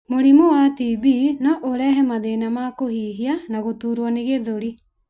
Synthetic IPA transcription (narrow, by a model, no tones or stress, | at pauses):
moɾimowatibinɔʔoɾɛɦɛmaðenamakoɦiːɦianaɣot̪uːɾwɔneɣeðoɾi